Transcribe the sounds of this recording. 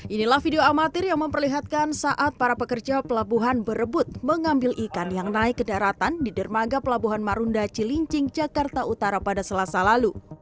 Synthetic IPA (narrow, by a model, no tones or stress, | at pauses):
ʔinilahfideoamat̪ɪrjaŋməmpərliɦat̪̚kansaʔat̪̚paɾapəkərd͡ʒapəlabuɦanbəɾəbʊt̪̚məŋambɪlʔikanjaŋnaɪkːədaɾat̪andidərmaɡapəlabuɦanmaɾundat͡ʃiliɲt͡ʃɪŋd͡ʒakart̪aut̪aɾapadasəlasalalu